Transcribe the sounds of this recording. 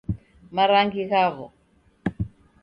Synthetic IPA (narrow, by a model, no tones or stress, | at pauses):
maɾaŋɡiɣaβɔ̰